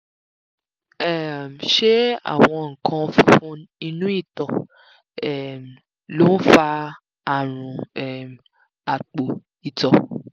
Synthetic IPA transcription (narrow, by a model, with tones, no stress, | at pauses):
ɛ˦˨m̩˨ʃe˦a̰˦˨w̃ɔ̃˧ŋ̩˨kʰã˧fũ˦i˧nũ˦i˦˨tɔ˨ | ɛ˦˨m˨ | lo˦fa˧ | a˨ɾ̃ũ˨ɛ˦˨m˨ | a˨k͡po˨ | i˨tɔ˨